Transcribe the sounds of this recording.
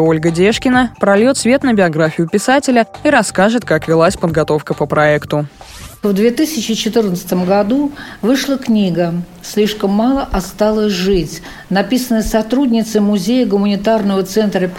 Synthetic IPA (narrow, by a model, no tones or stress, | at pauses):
o̞lʲɡədʲeʂkʲɪnəpɾɐlʲjot̪svʲe̞t̪nəbʲɪɐɡɾafʲɪjʊpʲɪsatʲɪlʲəiɾɐskaʐɨt̪̚kakvʲɪlˠasʲpəd̪ɡɐt̪o̞fkəpəpɾɐɛkt̪ʊ | vd̪vʲet̪ɨsʲɪt͡ɕɪt͡ɕɪt̪ɨrnət̪sə̥t̪əmɡɐd̪uvɨʂlˠəknʲiɡə | sʲlʲiʂkəmːɑlˠəʔɐst̪alˠəsʲʐɨtʲ | nɐpʲisənəjsɐt̪ɾudʲnʲɪt̪sɨmʊzʲejəɡʊmənʲɪt̪arnəvət̪sɛnt̪ɾəpʲ